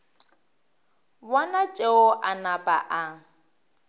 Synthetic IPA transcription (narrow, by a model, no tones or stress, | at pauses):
wɔnat͡ʃʼeʊʔanapʼa̰ʔa